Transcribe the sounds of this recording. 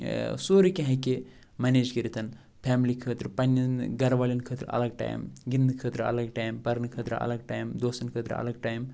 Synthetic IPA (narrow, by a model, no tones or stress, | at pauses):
soːɾikʲɐ̃ɦɐke | mɐneːd͡ʒkiɾit̪ɐn | pʰaːmlikʰəːt̪ɾɨpɐnʲːjɐnɡɐɾʋaːlʲinkʰəːt̪ɾɐ̰lɐɡ̚ʈa̰ːj̰mɡind̪kʰəːt̪ɾɐ̰lɐɡʈaːjmpɐɾɐnkʰəːt̪ɾɨɐ̰lɐɡʈaːjmd̪oːsɐnkʰəːt̪ɾɐ̰lɐɡ̚ʈaːjm